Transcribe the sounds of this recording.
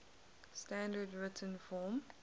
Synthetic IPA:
stãndədɹɪtʰə̃nfɔːm

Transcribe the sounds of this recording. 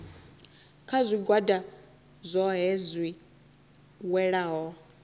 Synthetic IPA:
kʰazʷiɡwada | zʷɔɦɛzʷwi | wɛɺaɦɔ

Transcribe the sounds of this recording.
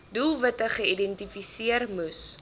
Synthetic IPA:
dulˠvɐtəχəidɛntifisiərmus

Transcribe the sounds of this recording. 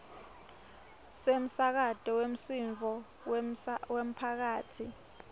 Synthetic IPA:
sem̩sak̬atʼɔwem̩siɱvʱɔ | wem̩pʰak̬aːtʰi

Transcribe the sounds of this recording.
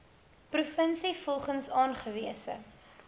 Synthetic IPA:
prufənsifɔlˠχənsɑːnχəviəsə̰

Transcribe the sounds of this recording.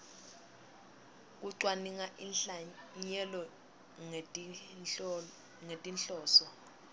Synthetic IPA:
k̬uǀwaniŋaʔinɬaɲɛlɔ | ŋetʼinɬɔːsɔ

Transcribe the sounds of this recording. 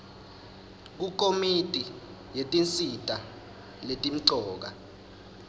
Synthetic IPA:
k̬uk̬ʰʼomitʼi | jetʼint͡sʼitʼa | letʼim̩ǀɔːk̬a

